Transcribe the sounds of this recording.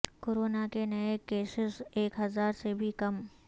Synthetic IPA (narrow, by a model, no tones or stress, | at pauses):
koːɾoːnakenɐekeːsɪseːkɦɐzaːɾsebʱikɐm